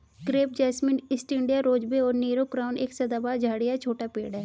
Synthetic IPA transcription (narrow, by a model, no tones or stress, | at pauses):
kɾeːp̚d͡ʒɛːsmɪnɪsʈɪ̃ɳɖijaɾoːd͡ʒbeɔːɾniːɾokɾaːʊneːksɐd̪aːbaːd͡ʒʱaːɽijat͡ʃʰoːʈapḛːɽɛː